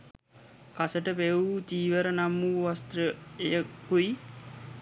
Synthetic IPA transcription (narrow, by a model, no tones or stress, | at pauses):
kasəʈəpeut̪iːʋəɾənamuːʋast̪ɾəejəkui